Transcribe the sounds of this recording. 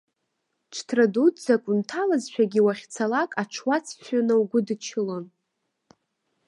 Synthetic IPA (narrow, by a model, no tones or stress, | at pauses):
ʈ͡ʂʰtʰradutʰʼzakʷʼuntʰalazʃʷᶣaɡʲɪwaχʲt͡sʰalakʼaʈ͡ʂʰwat͡sʰʃʷᶣanawɡʷʊdt͡ʃʰɪlon